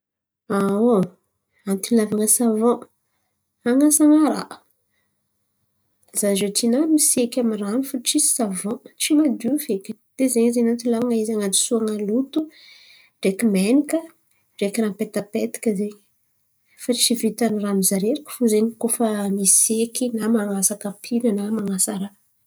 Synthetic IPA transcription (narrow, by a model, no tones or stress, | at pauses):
ao | ant̪ilavaŋəsavɔ̃ | aŋasaŋaɾa̰ʔ | zaʒetinamisekʲamiranifuʈ͡ʂisavɔ̃ʈ͡ʂimad̪ufekʲd̪̥ezeɲizenant̪ilavaŋaizaŋad̪i̥suaŋalut̪u | ɖ͡ʐekimenikə | ɖ͡ʐekiɾampet̪apet̪i̥kʲəzeɲ | fat͡ʃivit̪aniramizaɾeɾakə̥fuzeɲikofamisekinamaŋasakapʰilənamaŋasaɾa